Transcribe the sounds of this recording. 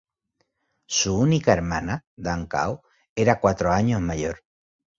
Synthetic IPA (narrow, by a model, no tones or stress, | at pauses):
suunikaeɾmãnad̪aŋka̰w | eɾakwat̪ɾoaɲozmaʝo̞ɾ